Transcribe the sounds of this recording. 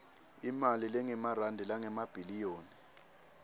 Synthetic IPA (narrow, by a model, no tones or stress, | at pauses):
imalilɛŋɛmarandʱilaŋɛmab̥ʱilijoːni